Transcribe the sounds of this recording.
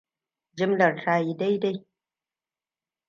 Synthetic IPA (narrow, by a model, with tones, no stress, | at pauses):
d͡ʒɪ˦mlɐ˨ɾɬaː˨ji˨da˦jda˦j